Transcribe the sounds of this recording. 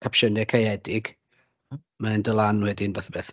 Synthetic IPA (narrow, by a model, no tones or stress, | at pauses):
kʰapʃənɛkʰajɛdɪɡ | maɛndəlˠanwɛdinvəθbeːθ